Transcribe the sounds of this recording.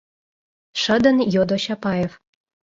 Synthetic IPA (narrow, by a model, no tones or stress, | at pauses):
ʃə̆d̪ɤ̆njod̪oɕɑpɑjef